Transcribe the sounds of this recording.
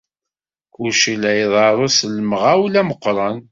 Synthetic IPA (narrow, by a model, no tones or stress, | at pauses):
ʊɾʃilæjðˤɑɾˤosələməʁæwlæməqːɾˤɑn